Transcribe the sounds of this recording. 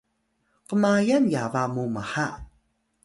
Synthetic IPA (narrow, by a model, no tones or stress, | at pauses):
qəmajanjavamuməħa